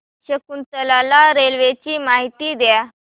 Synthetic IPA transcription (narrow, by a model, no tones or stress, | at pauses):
ɕəkunt͡s̪əlalaɾelʋet͡ɕiːmaɦit̪iːd̪ja